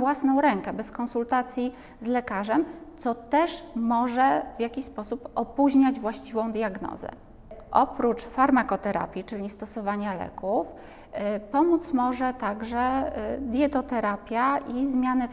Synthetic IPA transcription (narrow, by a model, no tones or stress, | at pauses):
vwasnɔ̃w̃ɾɛŋkɛbɛskɔnsult̪at̪sʲji | zlɛkaʐɛmt̪sɔt̪ɛʂmɔʐɛvʲjakʲispɔsupɔpuʑɲad͡ʑvwaɕt͡ɕivɔ̃w̃d̪ʲjaɡnɔ̰zɛ̰ | ʔɔpɾut͡ʂfaɾmakɔt̪ɛɾa̰pʲjit͡ʂɘlʲist̪ɔsɔvaɲalɛ̰kuf | pɔmut̪smɔʐɛt̪aɡʐɛd̪ʲjɛt̪ɔt̪ɛɾapʲjaʔizmʲjanɘ